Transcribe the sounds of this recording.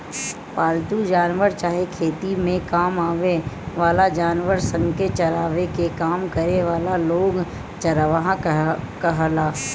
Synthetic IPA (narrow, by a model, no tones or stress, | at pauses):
paːlt̪ud͡ʒaːnʋəɾt͡ʃaːɦekʰeːt̪imẽkaːmaːʋeʋaːlad͡ʒaːnʋəɾsə̃ŋket͡ʃɐɾaːʋekekaːmkəɾeʋaːlaloːɡ | t͡ʃɐɾʋaɦãkəɦalaː